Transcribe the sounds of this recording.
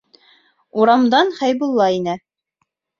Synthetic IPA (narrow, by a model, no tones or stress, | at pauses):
uɾɑmd̪ɑnχæjbulˠːɑinɘ